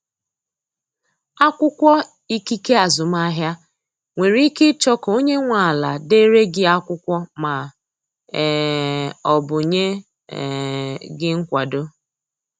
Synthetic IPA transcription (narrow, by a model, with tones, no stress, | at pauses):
a˦kʷʊ˦kʷɔ˦ | i˦ki˦ke˦a˨zʊ˨m˦a˦ɦja˦ | ŋʷe˨ɾi˦kɪ˦t͡ʃɔ˦ko˦ɲe˦ŋʷa˨la˨de˦ɾe˦ɡɪ˨a˦kʷʊ˦kʷɔ˦ma˨ | ɔ˨bʊ˨ɲe˦˨ | ɡɪ˦ŋ̩˦kʷa˨do˦